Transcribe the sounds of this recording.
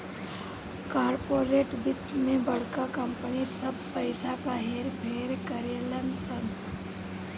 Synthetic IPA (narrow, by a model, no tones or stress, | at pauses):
kaːɾpoːɾeːʈbɪt̪mẽbɐɽ̤kakəmpnisəbpəɪsapaɦeːɾpʰeːɾkəɾeːlənsən